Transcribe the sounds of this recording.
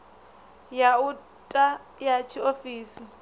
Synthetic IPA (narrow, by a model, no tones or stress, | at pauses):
jau | tʼajat͡ʃʰiofiːsi